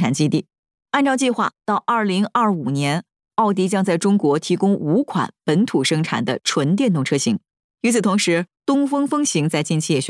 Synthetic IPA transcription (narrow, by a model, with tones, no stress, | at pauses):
ʈ͡ʂʰa˨˩nt͡ɕi˥t̪i˥˩ | a˥˧nʈ͡ʂɑ˥˧t͡ɕi˥˧xwa̰˥˧t̪ɑ˥˧ʊʔɐ˞˥˩li˧˥ŋʔɐ˞˥˩u˨˩njɛ˧˥n | ɑ˥˩ʊt̪i˧˥t͡ɕjɑ˥ŋt͡sa˥˩ɪʈ͡ʂʊ˥ŋkwɔ˧˥t̪ʰi˧˥kʊ˥ŋu˧˥kʰwa̰˨˩npə˧˥nt̪ʰu˨˩ʂɤ˥ŋʈ͡ʂʰa̰˨˩nd̪ə̰˦ʈ͡ʂʰwə˧˥nt̪̬jɛ˥˧nt̪ʊ˥˩ŋʈ͡ʂʰɤ˥ɕi˧˥ŋ | y˧˥t͡sʰɹ̩˨˩t̪ʰʊ˧˥ŋʂɻ̩˧˥t̪ʊ˥ŋfɤ˥ŋfɤ˥ŋɕi˧˥ŋt͡sa˥˧ɪt͡ɕi˥˧nt͡ɕʰi˥˩ɛ˥˩ɕ